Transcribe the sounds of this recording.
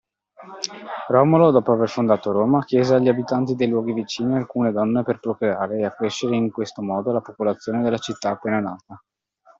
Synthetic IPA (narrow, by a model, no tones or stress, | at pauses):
rɔmolod̪ɔːpoaverfond̪aːt̪oɾoːmak̟jɛːzeaʎːiabit̪ant̪id̪ejlwɔːɡivit͡ʃiːnialkuːned̪ɔnːeperpɾokɾeaːɾeːakːɾeʃːeɾeiŋkwest̪omɔːd̪olapopolat̪sːjoːned̪elːat͡ʃit̪ːaːpːeːnana̰ːt̪a